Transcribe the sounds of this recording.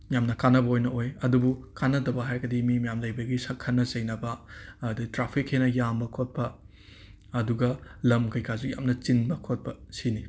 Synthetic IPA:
jamnɐkanːɐbɐojnɐojɐdubukanːɐdɐbɐɦajɡɐdimimɐjamlɐjbɐɡisɐkʰɐnːɐzɐjnɐbɐɐdɐtɾapʰikhenɐjambɐkʰot̚pɐː | duɡɐlɐmkɐjkʰazuja̰mnɐt͡ʃinbɐkʰot̚pɐsini

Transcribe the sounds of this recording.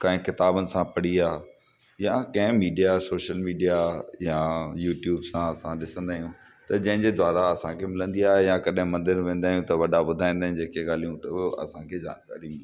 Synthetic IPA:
kãːɦɪ̃kɪt̪aːbənɪ̆sãpɐɽiaː | jãkɐ̃ɦɪ̃miːɖijasoːʃəlmiːɖijajajuːʈjuːbsãɐsãɗɪsə̃nd̪aːɦijũ | t̪ɐd͡ʑɐ̃ɦɪ̃ɲd͡ʑed̪waːɾaɐsãkʰemɪlə̃nd̪iaːɦejãkɐɗɦɪ̃mɐ̃nd̪ɪɾʋẽːnd̪aːɦijũt̪ɐʋɐɖabʊd̪ʱaːĩnd̪aːĩd͡ʑeːkeɠaːl̤ijũt̪ɐoɐ̰sãkʰed͡ʑa̰ːnka̰ːɾimɪli

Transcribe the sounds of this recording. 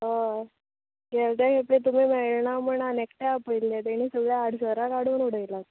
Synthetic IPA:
ɦə | ɡɛɭt̪jakeplet̪um̤iːmɛɭɳaməɳanekʈeapəild̪et̪eñisəɡɭjaːɽ̤səɾakaɽ̤uːnuɽ̤əjlat̪

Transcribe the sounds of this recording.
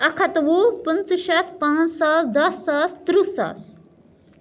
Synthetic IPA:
ɐkʰɐt̪ʋupənt͡suʃɐt̪̚pãːt͡ssasd̪ɐsːast̪ɾusa̰s

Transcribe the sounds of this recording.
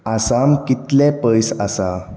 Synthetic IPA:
asamkit̪lepəjsasa

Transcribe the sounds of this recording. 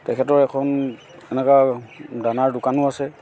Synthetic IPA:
tɛkʰɛtɔɹɛkʰɔn | ɛnɛkadanaɹdʊkanʊasɛ

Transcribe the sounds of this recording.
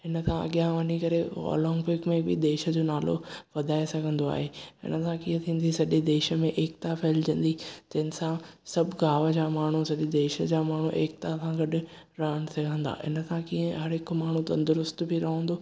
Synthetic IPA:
ɦɪnəkʰãɐ̰ɠjãʋɐɲikɐɾeɔ̰ːlɔ̃ːŋɡpeːkmẽbɪd̪eːʃə̆d͡ʑoːnaːlo̰ʋɐd̪ʱaːesɐɡʱə̃nd̪oa̰ːɦeɪ̰nəsãkiːə̃t̪ʰĩːn̆d̪isɐʄed̪eːʃə̆mẽʔeːk̚t̪apʰɛːld͡ʑɐ̃nd̪id͡ʑɐɦɪ̃nsãsɐbʱɡaːʋəd͡ʑaːmaːɳ̤usɐʄed̪eːʃəd͡ʑaːmaːɳ̤uʔeːk̚t̪asãɡɐɗʊ̆ | ɾɐɦən̆sɐɡʱə̃nd̪a̰ʔɪ̰nə̆sʰãkiːə̃ɦɐɾɦɪkmaːɳ̤ut̪ɐ̃nd̪ʊɾʊst̪bɪɾɐɦə̃ːnd̪oː

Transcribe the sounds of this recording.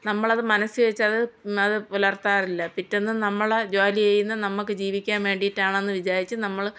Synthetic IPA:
nɐmːɐɭɐðɨmɐnɐsɨʋet͡ɕːɐðɨɐðɨulɐrt̪aːrilːɐpitːenːɨnɐmːɐɭed͡ʑaːlijejunːɐnɐmːukːɨd͡ʑiːʋikʲːaːnʋe̞ːɳɖijiʈːaːɳenːɨʋid͡ʑaːɾit͡ɕːɨnɐmːɐɭ

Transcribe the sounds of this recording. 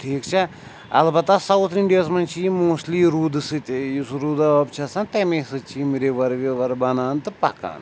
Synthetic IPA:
ʈʰiːkt͡ʃʰa | ɐ̰lbɐt̪asɐwt̪ʰiɳɖijaːsmɐnt͡ʃʰiimoːsliːɾuːd̪ɨsɨt̪ʲjisɾuːd̪aɐbt͡ʃʰasɐnt̪emesɨt͡ʃʰimiɾeʋɐɾʋʲeʋɐɾbɐnaːnt̪ɨpɐ̰ka̰ːn

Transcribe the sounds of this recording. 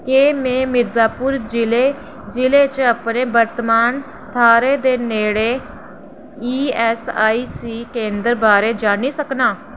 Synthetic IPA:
keːmɛ̃ːmɪɾzaːpʊɾd͡ʒɪleː | d͡ʒɪleːt͡ʃəpneːbəɾt̪əmaːn | t̪ʰaːɾeːd̪eːneːɽeː | iːɛːsaːiːsiːkẽːnd̪əɾbaːɾeːd͡ʒaːniːsəknaː

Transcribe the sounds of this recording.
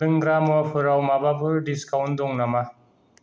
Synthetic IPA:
ɯŋɡɾamɔpʰɯɾawmabapʰɯɾɖiskawnd̪ɔŋnama

